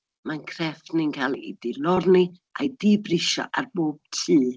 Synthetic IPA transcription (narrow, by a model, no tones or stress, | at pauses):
mankʰrɛfnɪnkʰalˠḭḭd̥ɪlɔrniʔa̰idibrɪʃɔ̰ʔa̰rboːb̥̚tʰiː